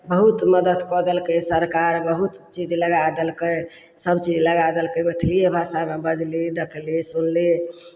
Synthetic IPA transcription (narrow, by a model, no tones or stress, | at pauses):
bəɦut̪məd̪əd̪kɔd̪əlkəsəɾkaɾbəɦut̪t͡ʃid͡ʒləɡad̪əlkəj | səbt͡ʃid͡ʒləɡad̪əlkəbəʈʰliebʱaʃamebəd͡ʒlid̪ekʰlisunli